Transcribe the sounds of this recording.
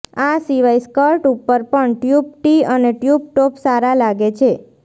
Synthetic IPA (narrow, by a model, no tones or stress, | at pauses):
asiʋaiskəɾʈupːəɾpəɳʈjub̚ʈiəneʈjub̚ʈopsaɾalaɡet͡ʃʰe